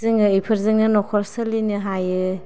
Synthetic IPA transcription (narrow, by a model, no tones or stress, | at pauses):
zɯŋɯejpʰɯɾzɯŋɯnɔkʰɔɾsɯlinɯɦajɯ